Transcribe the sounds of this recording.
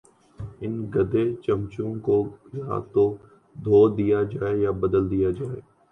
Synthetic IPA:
ɪnɡɐd̪et͡ʃɐ̃mt͡ʃũkoja̰ːt̪o | d̪ʱoːd̪ijad͡ʒaːejabɐd̪əld̪ijad͡ʒaːḛː

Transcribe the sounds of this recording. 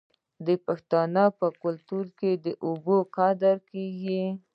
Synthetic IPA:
d̪əpaxt̪ɑnəpəkʊlt̪uɾked̪əʔuboqɑd̪əɾkeɡi

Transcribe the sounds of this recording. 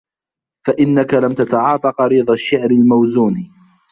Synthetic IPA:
faʔɪnːakalamt̪at̪ɑʕɑːt̪ˤɑqɑɾiːd̪ˤaʃːɪʕɾɪlmawzuːn

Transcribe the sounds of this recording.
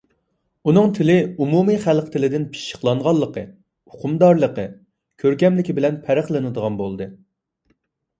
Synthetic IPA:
unɨŋt̪ʰɪlɪumumɨχælˠqt̪ʰɪlɪd̪ɪnpʰi̥ʃə̥χlˠɑɴʁɑlˠːəqə̰ | uqʰʊmd̪ɑɾlˠəqə | kʲʰøɾkʲɛmlɪkʲibɪlɛnpʰæɾæχlˠɨnɨd̪əʁɑnbolˠd̪ɨ

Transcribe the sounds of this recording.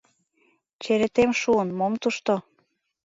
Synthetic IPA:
t͡ɕeɾĕt̪emʃuənmomt̪uʃt̪o

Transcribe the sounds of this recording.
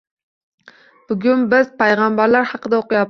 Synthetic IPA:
b̥ʊɡʲʊnbɪz̥pʰajʁɑmbaɾlaɾhɑqɨd̪aoqɨjap̚

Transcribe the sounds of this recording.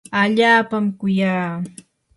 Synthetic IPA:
aʎaːpamkʊjaː

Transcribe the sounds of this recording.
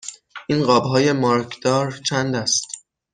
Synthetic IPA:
ʔinɢɒːbɦɒːje̞mɒːɾkʰd̪̥ɒːɾt͡ʃʰænd̪æst̪

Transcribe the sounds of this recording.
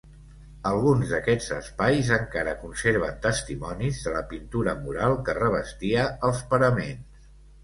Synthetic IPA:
əlˠɣunzðəkɛd͡zəspajzəŋkaɾəkunseɾβ̞ənt̪əst̪imɔnizðələpint̪uɾəmuɾalˠkərəβ̞əst̪iəəlˠspəɾəmenss

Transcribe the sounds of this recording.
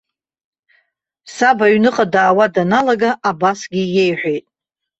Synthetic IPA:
sabaɥnɨqʼadaːwadanalaɡaʔabasɡʲije̞jħʷᶣejtʼ

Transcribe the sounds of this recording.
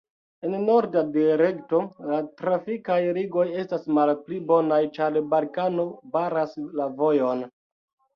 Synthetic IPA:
enno̞ɾdadiaɾekto̞latɾafikajɾiɡo̞je̞stasmalplibo̞najt͡ʃaɾbalkano̞baɾaslavo̞jo̞n

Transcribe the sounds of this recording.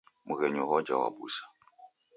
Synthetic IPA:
mʊɣɛɲɔɣɔd͡ʒawa̰ɓuːsḁ

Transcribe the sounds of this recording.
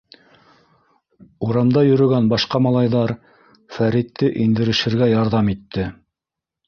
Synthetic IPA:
uɾɑmd̪ɑjɵ̆ɾɵ̆ɡænbɑʃqɑmɑlˠɑjðɑɾ | fæɾit̪ːɘʔind̪ɘ̆ɾɘ̆ʃɘ̆ɾɡæjɑɾðɑmit̪ːɘ

